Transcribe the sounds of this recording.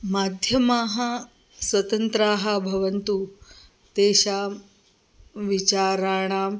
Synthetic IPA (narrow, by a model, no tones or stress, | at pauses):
maːd̪ʱjɐmaːɦɐ | swɐt̪ɐnt̪ɾaːɦɐbʱɐʋɐnt̪u | t̪eːɕaːm | ʋit͡ɕaːɾaːɳ̃aːm